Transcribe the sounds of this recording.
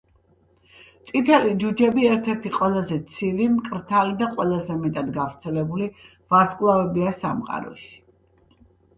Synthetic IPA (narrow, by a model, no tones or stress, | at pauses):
t̪sʼit̪ʰɛlid͡ʒud͡ʒɛbiɛɾt̪ʰɛɾt̪ʰiqʼwɛlˠazɛt̪sʰiɾimkʼɾt̪ʰalid̪aqʼwɛlˠazɛmɛt̪ʼad̪ɡavɾt̪sʰɛlɛbuli | vaskʼlˠavɛbiasa̰mqʼa̰ɾɔ̰ʃi̥